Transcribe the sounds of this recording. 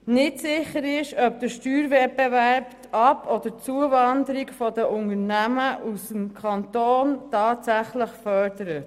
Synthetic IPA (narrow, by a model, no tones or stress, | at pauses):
nɪtsɪχəɾɪʃœpd̥̪əʃtyːɾvɛt̚bɛvæɾptɑpʰɔd̪əɾt͡suəvɑnd̪əɾikfɔd̪əʔʊnəɾnæməʔusəmkʰɑnt̪oːntɑːtsæχləχfœɾdəɾət